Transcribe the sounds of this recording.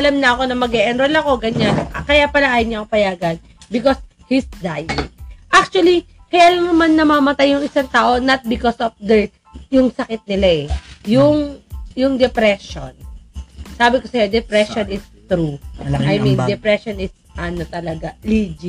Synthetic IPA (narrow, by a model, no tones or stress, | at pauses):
ɐlamnɐʔɐko̞nɐmɐɡɛʔɛnɾolɐko̞ɡɐɲankɐjapɐlɐʔaːjɪɲaɐkopɐjaːɡɐn | bɪkos | hisd̪ajɪʔak̚t͡ʃuɐlikɐjaːlɐŋnɐmanːɐmamɐt̪ajːʊŋɪsaŋt̪aːʔo̞nɐt̪̚bɪkɔsofd̪ɛɹ | jʊŋsɐkɪt̪̚nɪlaʔɛjʊŋjʊŋd̪ɛpɾɛʃon | saːbɪko̞sɐjod̪ɛpɾɛʃonɪst̪ɾuajmĩnd̪ɛpɾɛʃonɪs | ʔɐnot̪ɐlɐɡalid͡ʒi